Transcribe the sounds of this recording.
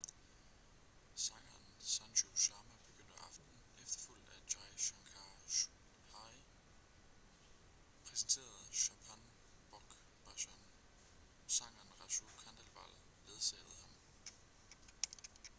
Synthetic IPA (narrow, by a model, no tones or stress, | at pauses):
sɑ̈ŋ̰ɐːnsɑnɕʰoɕɑ̈ːmæb̥e̝ɡ̥øn̰d̥əʔɑ̈fd̥n̩ | efd̥ɐ̥ful̰d̥æɕɑ̈ɪɕɑŋkʰɑ | hɑ | pʰʁɛsn̩t͡sʰe̝̰ːɐð̩ˠɕɑpʰæn | b̥ɒɡ̥ | b̥æɕɔn | sɑ̈ŋ̰ɐnʁɑɕokʰɑnd̥ælʋɑ̰l̰ | ʋe̝ð̞ˠsɛ̰ːð̩ˠhɑ̈m